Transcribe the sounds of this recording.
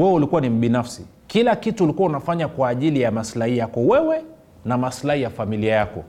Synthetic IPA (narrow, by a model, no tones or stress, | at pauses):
wɛwɛulikuwanim̩ɓinafsi | kilakituulikuwaunafaɲakwaːʄilijamaslahijakɔwɛwɛ | namaslahijafamiliajakɔ̰